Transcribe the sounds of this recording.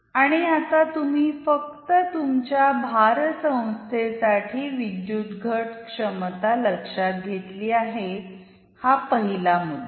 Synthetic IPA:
aɽ̃iat̪at̪um̤iːfək̚t̪ət̪umt͡ɕjabʱaɾsə̃w̃st̪ʰesaʈʰiːʋid̪jut̪ɡʱəʈkʂəmt̪aləkʂat̪̚ɡʱet̪liːaɦe | hapəɦilamud̪

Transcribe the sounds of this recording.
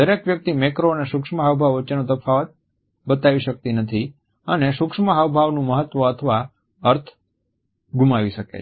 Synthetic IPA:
d̪əɾekʋjək̚t̪imekɾoəneʃukʂməɦaʋbʱaʋʋət͡ʃenõt̪əfʰaʋət̪̚ | bət̪aʋiʃək̚t̪inət̪ʰi | əneʃukʂməɦaʋbʱaʋnũməɦət̪ʋəət̪ʰəʋa | əɾt̪ʰ | ɡʱumaʋiʃəkḛ

